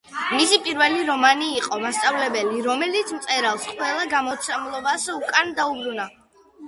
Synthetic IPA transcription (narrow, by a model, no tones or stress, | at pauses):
misipʼiɾvɛliɾɔmaniːqʼɔmast̪sʼavlɛbɛliɾɔmɛlit̪sʰmt̪sʼɛɾalˠsqʼwɛlˠaɡamɔt̪sʰamlˠɔbasukʼand̪aubɾuna